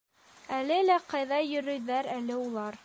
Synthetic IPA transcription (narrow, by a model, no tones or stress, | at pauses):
ælɘlæqɑjðɑjɵ̆ɾɵ̆jðæɾælɘulˠɑɾ